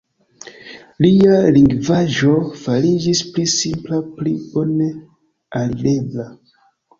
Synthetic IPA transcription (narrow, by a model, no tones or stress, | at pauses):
lialiŋɡvaʒo̞faɾid͡ʒisplisimplaplibo̞ne̞ | alide̞bla